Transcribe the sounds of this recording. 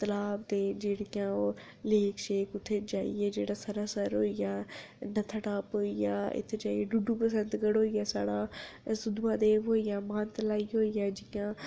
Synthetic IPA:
t̪ɐlaːbt̪ed͡ʒeːɽijão | leːkʰʃeːkʊt̪ʰːed͡ʒaːḭɛd͡ʒeːɽasaɾaːsəɾɦoːijaː | nɐt̪ʰəʈaːpoːijaːɪ̰t̪ʰed͡ʒaːieɖʊɖʱũpəs̬ə̃nd̪ɡəɽɦoːijaːsaːɽaːsʊd̪ʱuãd̪eːʋoːijamãːnt̪əlaːiɦoːijaːd͡ʒɪjãː

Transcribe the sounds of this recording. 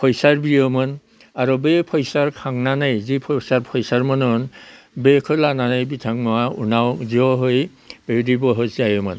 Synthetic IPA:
pʰɔjsaɹbiɔmɔn | aɹubepʰɔjsaɹkʰaŋnanajzipʰɔsaɹpʰɔjsaɹmɔnɔn | bekʰɔlananajbitʰaŋmɔaṵnawziɔɦoj | b̥edibɔɦɔsajɔmɔ̰n

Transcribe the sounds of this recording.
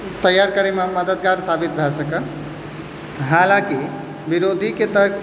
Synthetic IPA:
t̪əjːaɾkəɾemaməd̪əd̪ɡaʈsabit̪̚bʱɛsəkən | ɦaːlãki | biɾod̪ʱiket̪əɾk

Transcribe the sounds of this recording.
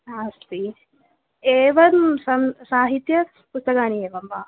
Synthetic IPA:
aːst̪i | eːʋɐmsɐmsaːɦit̪jɐ | pust̪ɐkaːnieːʋɐmʋaː

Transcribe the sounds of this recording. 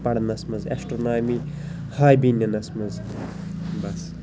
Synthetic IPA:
pɐɽnɐsmɐzḛsʈɾonaːmi | haːjbinːɐnɐsmɐz | bɐs

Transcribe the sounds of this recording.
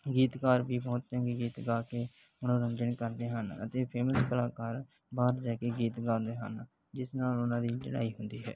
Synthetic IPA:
ɡiːt̪kaːɾbiːpɔ̃ːt͡ʃ̪d͡ʒɛ̃ːɡeɡiːt̪ɡaːkeː | ʊnãːɾəɲd͡ʒəɳkəɾd̪eːɦənə̰t̪eːpʰeːməskəlaːkaːɾ | baːɾd͡ʒaːkeːɡiːt̪ɡãːd̪eːɦə̰n | d͡ʒɪsnaːlʊnãːd̪iːd͡ʒəɽa̰ːiːɦʊnd̪iːɦɛ̰ː

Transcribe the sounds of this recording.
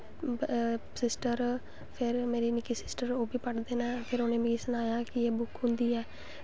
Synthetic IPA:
sɪsʈəɾ | pʰɪɾmeːɾiːnɪkiːsɪsʈəɾoːbiːpəʈd̪eːnaːpʰɪɾoːnẽːmĩisənaːjaːkɪeːbʊkɦʊ̃nd̪iːɛː

